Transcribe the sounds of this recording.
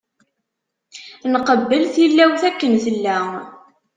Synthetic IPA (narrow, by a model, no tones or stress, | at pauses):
nqəbːəlθilːæwθækːənθəlːæ